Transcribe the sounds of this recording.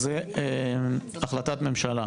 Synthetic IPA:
ze | aχlat̪at̪me̞mʃala

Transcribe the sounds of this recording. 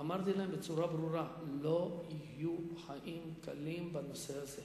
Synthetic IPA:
amaʁt̪ilahembet͡suʁabʁuʁalo̞hijuħaʔimkalimbano̞se̞aze

